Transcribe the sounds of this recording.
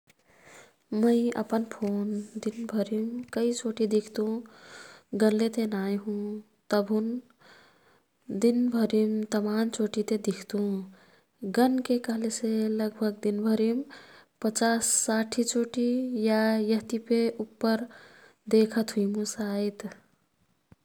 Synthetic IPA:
məɪə̰pənpʰond̪inbʱəɾimkəit͡ʃoʈid̪ikʰt̪ũ | ɡənlet̪enajɦũ | t̪əbʱɦun | d̪inbʱəɾimt̪əmant͡ʃoʈit̪ed̪ikʰt̪ũ | ɡənkekəɦleseləɡbʱəɡd̪inbʱəɾimpət͡ʃasːaʈʰit͡ʃoʈijajəɦt̪ipeupːəɾ | d̪ekʰət̪ɦujmũsajt̪

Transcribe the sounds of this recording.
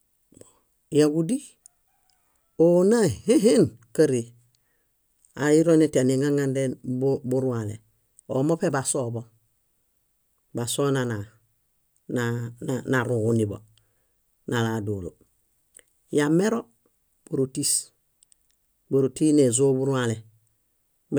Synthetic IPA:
jaɡudi | onaheɦenkaɾi | aiɾonetaniŋaŋandenbubuɾualḛ | omopebasobo | basonana | nananaɾuŋɡunibo̰ | naladulo̰ | jameɾo | b̥uɾutis | buɾutinezoːbuɾuale

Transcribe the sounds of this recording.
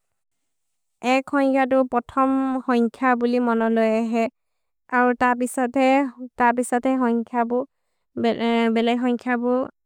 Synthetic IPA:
ɛkʰːɔŋkʰjat̬ʊpɹɔtʰɔmhɔŋkʰjabulimɔnɔlojaɦɛ | aɹutapisɔtɛtaɹpisɔtɛxɔŋkʰjabʊ | bɛlajɦɔŋkʰjabʊ

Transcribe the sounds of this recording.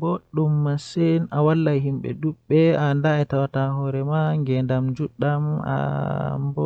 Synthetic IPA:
boɗumːasɛnawalːajhimɓɛ̰duɓːɛandaɛtawataɦɔɾɛmaŋɡɛndamd͡ʒuɗama̰mbɔ

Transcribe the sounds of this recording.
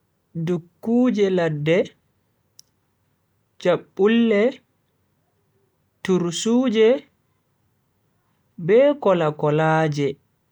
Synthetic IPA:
dukːuːd͡ʒɛladːɛ | d͡ʒaɓːulːɛ | tuɾsuːd͡ʒɛ | bɛːkɔlakɔlaːd͡ʒɛ

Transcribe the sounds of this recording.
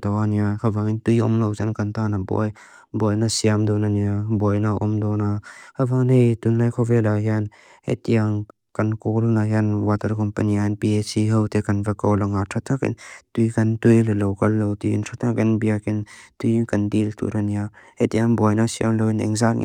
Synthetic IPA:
tawaniakʰɐvaŋitujɔ̰mlowzankant̪anabɔ̰j | bɔjnasiamd̪ɔnaniabɔjnaʔɔ̰md̪ɔnakʰavaŋnejtunnajkʰɔvɛlajan | ḛtiaŋ | kɐnkɔlnajanwatɐɾkɔmpɐnianpiesiɦəwtekɐnvakɔwlɐŋatʰatʰakḭntujkɐntujlɐlowkalːowtiḭntʰat̪ʰakinbiakintujkɐndiltṵɾania | etijaŋbɔjnasia̰mlownɛ̰ŋzaknḭ

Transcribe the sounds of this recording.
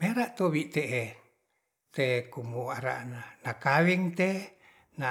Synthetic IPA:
meɾaʔt̪owiʔt̪eʔe | t̪ekumuaɾa̰ʔnanakawiŋt̪e | na

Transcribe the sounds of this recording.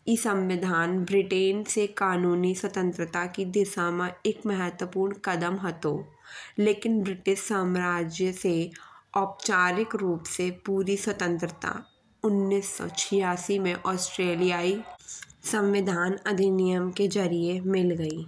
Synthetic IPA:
isə̃mʋɪd̪ʱaːnbɾɪʈeːnsekaːnuːniswət̪ə̃nt̪ɾət̪akid̪ɪʃamãekmɛɦɛt̪wəpuːɾɳkɐd̪əmɦət̪oː | leːkɪnbɾɪʈɪʃsaːmɾaːd͡ʒjəseɔːp̚t͡ʃaːɾɪkɾuːpsepuːɾiswət̪ə̃nt̪ɾət̪a̰ | ʊnːiːsːɔ̰t͡ʃʰɪjaːsimẽʔɔːsʈɾeːlijaːisə̃mʋɪd̪ʱaːnɐd̪ʱinɪjəmked͡ʒɐɾiemɪlɡɐiː

